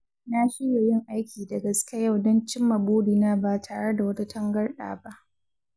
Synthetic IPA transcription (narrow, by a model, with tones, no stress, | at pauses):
na˦ʃi˦je˨jɪ˦ŋʔa˦jkʲʰiː˨dɐ˨ɡɐ˨skʲa˦ja˦˨wdɔ˦nt͡ʃɪ˦mːɐ˨boː˦diː˨naː˦baː˦tʰaː˨ɽe˦da˨wɐ˦ta˦tʰɐ˦ŋɡɐ˦rɗa̰ː˨ba˦ʔ